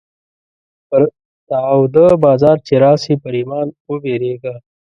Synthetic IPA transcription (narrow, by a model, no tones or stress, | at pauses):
pəɾ | t̪awd̪əbaːzɑːɾt͡ʃeɾaːsipəɾimaːnubeɾeːɡa